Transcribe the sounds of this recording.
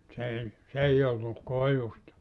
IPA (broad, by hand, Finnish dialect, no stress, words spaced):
s ei s ei olːu koiʋustɑ